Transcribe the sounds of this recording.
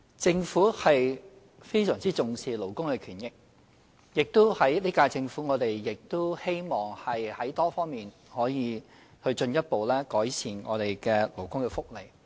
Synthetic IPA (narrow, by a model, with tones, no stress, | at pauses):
t͡sɪ˧ŋfuː˨˥hɐ˨j | fe˥jsœː˨˩ŋt͡siː˥t͡sʊ˨˧ŋsiː˨lo˨˩wkʊ˥ŋkɛː˧kʰyː˨˩njɪ˥k̚ | jɪ˨k̚t̪o˥whɐ˨˥jliː˥kaː˧t͡sɪ˧ŋfuː˨˥ŋɔː˨˧t̪e˨jːɪ˨k̚t̪o˥whe˥jmɔː˨ŋhɐ˨jhɐ˨˥jt̪ɔː˥fɔː˥ŋmiː˨n | hɔː˨˥jiː˨˧ | hɵ˧ɥt͡ʃɵ˧njɐ˥t̚po˨wlɛː˥kɔː˨˥jsʰiː˨˩nŋɔː˨˧t̪e˨jkɛː˧lo˨˩wkʊ˥ŋkɛː˧fʊ˥k̚le˨˩j